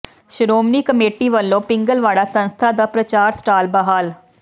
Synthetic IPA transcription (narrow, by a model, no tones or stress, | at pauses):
ʃɾoːmniːkəmeːʈiːʋəlːõːpɪŋɡəlʋaːɽaːsənst̪ʰaːd̪aːpɾət͡ʃaːɾsʈaːlbəɦaːl